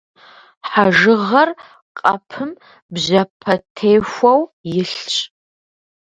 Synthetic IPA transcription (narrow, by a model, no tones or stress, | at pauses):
ħaʒɨʁɐr | qʼɐ̰pʰɨm | bʑɐpʰɐtʰejxʷɐwjɪɬt͡ʃʼ